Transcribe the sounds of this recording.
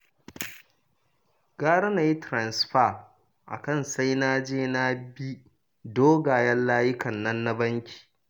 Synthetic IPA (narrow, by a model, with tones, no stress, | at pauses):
ɡ̥aː˦ɽɐ˦na˨ji˦tɾa˨nsɸa˦˨ | ʔa̰˨kɐ˦˨nsa˦jnaː˦d͡ʒeː˦na˦bi˦ | doː˦ɡaː˨jɛ˦nlaː˦jɪ˦kɐ˨nːɐ˦nːa˦bɐ˦ŋkʲi̥ː˨